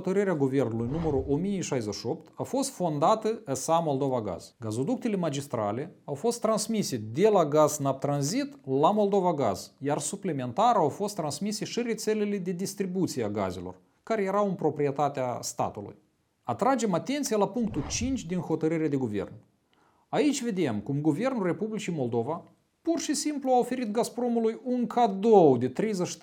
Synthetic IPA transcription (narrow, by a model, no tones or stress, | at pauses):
ot̪əɾɨɾeaɡuve̞rnulujnuməɾuʔomijeʃajzəʃio̞pt̪afo̞st̪fo̞nd̪at̪əəsamo̞lˠd̪o̞vaɡa̰z̥ɡazo̞d̪uk̚t̪e̞le̞mad͡ʒist̪ɾa̰le̞awfo̞st̪ːɾansmise̞d̪e̞laɡaznap̚t̪ɾanzit̪lamo̞lˠd̪o̞vaɡa̰zjarsupleme̞nt̪aɾawfo̞st̪ːɾansmise̞ʃiɾe̞t̪se̞le̞le̞d̪e̞d̪ist̪ɾibut̪sijeaɡa̰ze̞lo̞̰r | kaɾe̞je̞ɾawɨnmpɾo̞pɾije̞t̪at̪east̪a̰t̪ulṵj | at̪ɾad͡ʒe̞mat̪e̞nt̪sijalapuŋk̚t̪ut͡ʃint͡ʃʲd̪inho̞t̪əɾɨɾad̪e̞ɡuve̞̰rn | ait͡ʃʲve̞d̪e̞mkumɡuve̞rnulre̞publit͡ʃijmo̞lˠd̪o̞va | purʃisimpluaofe̞ɾit̪ɡaspɾo̞mulujuŋkʰad̪o̞wd̪e̞t̪ɾejzəʃ